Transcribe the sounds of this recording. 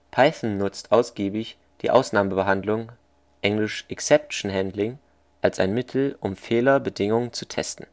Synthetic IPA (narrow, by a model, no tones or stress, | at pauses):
pʰaɪθn̩nʊt͡stʔaʊsɡ̥iːbɪç | d̥ḭːʔa̰ʊsnaːməbəɦandlʊŋ | ʔɛŋlɪʃʔɛksɛp̚ʃn̩ɦɛndlɪŋ | ʔalsaɪnmɪtʰl̩ʔʊmfeːlɐbədɪŋʊŋənt͡sutʰɛ̰stn̩